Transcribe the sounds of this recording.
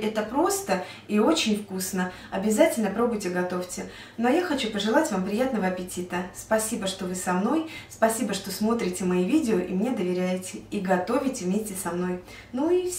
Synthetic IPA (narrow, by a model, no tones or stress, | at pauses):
ɛt̪əpɾo̞st̪ə | io̞t͡ɕɪnʲfkusnə | ɐbʲɪzatʲɪlʲnəpɾo̞bʊjtʲɪɡɐt̪o̞ftʲɪ | no̞jaxɐt͡ɕupəʐɨlˠatʲvampɾʲɪjat̪nəvəɐpʲɪtʲit̪əspɐsʲibəʂt̪o̞vɨsɐmnojspɐsʲibəʂt̪o̞smo̞t̪ɾʲɪtʲɪmɐivʲidʲɪoʔḭmnʲe̞d̪əvʲɪɾʲæjɪtʲɪiɡɐt̪o̞vʲɪtʲɪvmʲesʲtʲɪsɐmno̞j | nui